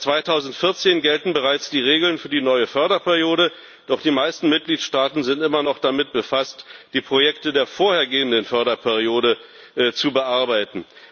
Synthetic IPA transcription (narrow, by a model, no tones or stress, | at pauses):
t͡sv̥aɪtʰaʊzn̩tfɪɐt͡seːnɡɛltn̩bəʁaɪt͡sd̥iːʁ̞eːɡl̩nfyːɐdiːnɔʏəfœɐɾɐpʰɛɐʁijoːɾə | d̥ɔχd̥iːmaɪstn̩mɪt̚ɡ̥liːtʃtaːtn̩zɪntʔɪmɐnɔχd̥amɪt̚b̥əfastd̥iːpʁ̥ojɛktədeːɐfoːɐheːɐɡeːəndənfœɐɾɐpʰɛʁ̞ioːɾə | t͡subəʔaɐbaɪtn̩